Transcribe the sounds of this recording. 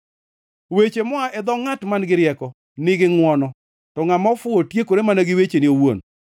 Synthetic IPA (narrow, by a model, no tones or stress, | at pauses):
wet͡ʃemɔaʔɛd̪ɔŋatmanɡɪɾjɛkɔ | nɪɡɪŋwɔnɔ | tɔŋamɔfʊotjekoɾemanaɡɪwet͡ʃeniowo̰n